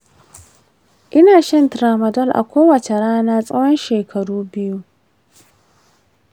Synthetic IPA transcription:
ʔɪ˦naː˨ʃɐ˦ntɾaː˨mɐ˨dɐ˦˨lʔa̰˨kʷʰoː˦wɐ˨t͡ʃe˨ɽaː˦naː˦sʼɐ˦wjɔ˦nʃeː˨kʰɐ˨ɽuː˦bɪ˦ju˦

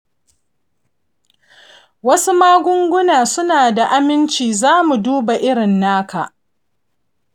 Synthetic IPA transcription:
wɐ˦su˦maː˦ɡʷʊ˦ŋɡʷʊ˦naː˨sʊ˦naː˨da˨ʔa˦mɪ˦nt͡ʃiː˨zaː˦mu˨duː˦ba˨ʔɪ˦ɽɪ˨nːaː˦kʰa˨ʔ

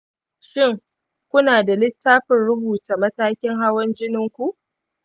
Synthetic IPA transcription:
ʃɪ˦ŋ | kʷʊ˦naː˨da˨lɪ˦tːaː˦ɸɪ˨nɽʊ˦buː˨ta˨mɐ˦taː˦kʲɪ˦ŋɦa˦wɔ˦nd͡ʒɪ˦nɪ˦ŋkʷu˦ʔ

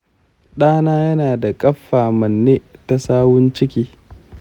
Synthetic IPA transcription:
ɗaː˦naː˦jɐ˦naː˨da˨kʼɐ˦ɸːaː˨mɐ˨nːeː˦ta˨saː˦wʊ˦nt͡ʃɪ˦kʲiː˦

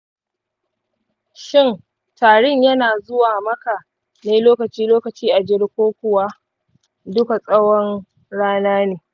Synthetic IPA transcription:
ʃɪ˦˨n | taː˨ɽɪ˦ɲjɐ˦naː˨zʊ˦waː˨mɐ˦ka˨ | neː˦loː˦kɐ˨t͡ʃiː˦loː˦kɐ˨t͡ʃiː˦ʔa˨d͡ʒɪ˦ɽkʷoː˦kʷʊ˨waː˦ | dʊ˦ka˨sʼɐ˦wɔ˦n | ɽaː˦naː˦neː˨

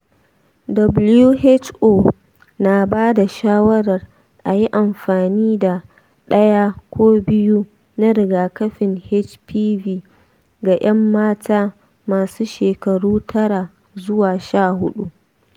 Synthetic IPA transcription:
dɐ˨blju˦ɦe˦t͡ʃʔoː˦˨ | na˨baː˦da˨ʃaː˦wɐ˦ɽɐ˨r | ʔa˨ji˦ʔa˨mɸaː˨niː˦da˨ | ɗɐ˦jaː˦kʷoː˦bɪ˦ju˦ | na˦ɾɪ˨ɡaː˨kɐ˦ɸɪ˨nhe˦t͡ʃpiː˦viː˦ | ɡa˨ʔɐ˦mːaː˦tʰaː˦ | maː˨suː˦ʃeː˨kɐ˨ɽuː˦tʰɐ˦ɽa˨ | zʊ˦waː˨ʃaː˦˨hʊ˦ɗu˦

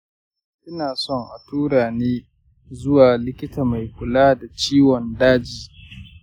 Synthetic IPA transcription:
ʔɪ˦naː˨sɔ˦ŋʔa̰˨tuː˦ɽaː˨neː˦ | zʊ˦waː˨lɪ˦kʲɪ˦taː˨ma˨jkʷʊ˨laː˦da˨t͡ʃiː˦wɔ˨ndaː˦d͡ʒiː˨

